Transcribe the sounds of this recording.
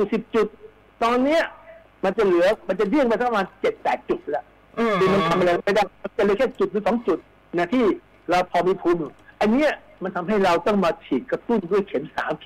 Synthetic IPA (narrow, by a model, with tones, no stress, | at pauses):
ju˨˩si˨˩p̚t͡ɕu˨˩t̪̚ː | ɔː˧nːiː˦˥ɐ | ma˧nt͡ɕa˨˩lɯ˨˩˦ɐma˧nt͡ɕa˨˩jɯ˥˩əŋpa˧sa˦˥pʰa˧maː˧nt͡ɕe˨˩t̪̚pɛː˨˩t̪̚t͡ɕu˨˩t̪̚lɛ˦˥ | kɯː˧ma˧nk̪ʰa˧mʔa˧ɾa˧a˧jdaː˥˩ma˧nt͡ɕa˨˩lɯː˧˦kʰɛː˥˩t͡ɕu˨˩t̪̚ɯː˨˦sɔː˨˩˦ŋt͡ɕu˨˩t̪̚ | naː˧˩t̪ʰiː˥˩ | ɾa˧wpʰɔː˧miː˧pʰu˧˦mː˨˩ʔa˧nːiː˦˥ɐ˨ | ma˧nt̪ʰa˧mɦa˥˩jɾa˧wt̪ɔ˥˩ŋmaː˧t̪ʰiː˨˩t̪̚kɾa˧t̪u˥˩ndu˥˩əjkʰe˨˩˦nsa̰ː˩˦mkʰ